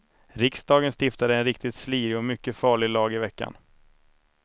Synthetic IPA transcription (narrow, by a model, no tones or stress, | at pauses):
ɾɪksd̪ɑːɡənst̪ɪft̪ad̪əɛnɾɪk̚t̪ɪt̪sliːɾɪɔmʏkːəfɑːɭɪlɑːɡɪvɛkːa̰n